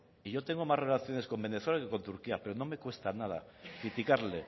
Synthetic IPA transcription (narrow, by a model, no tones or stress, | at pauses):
iʝo̞t̪e̞ŋɡo̞mare̞laθjo̞ne̞sko̞mbe̞ne̞θwelakeko̞nt̪uɾkiape̞ɾo̞no̞me̞kwe̞st̪anað̞akɾit̪ikaɾle̞